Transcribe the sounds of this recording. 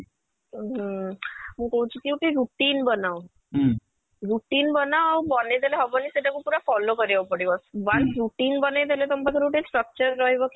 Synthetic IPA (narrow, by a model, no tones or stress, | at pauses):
ɦ | mũːkɔɦũt͡ɕʰikiuʈiɾuʈiːnbənaw | ɾuʈiːnbənabɔnet̪eleɦɔbɔniseʈakũpuɾafɔlokəɾjapəɽibɔsbaɾuʈiːnbənet̪elet̪ɔmpakʰəɾuʈinsʈɾək̚t͡ɕəɾːɔɦjbɔk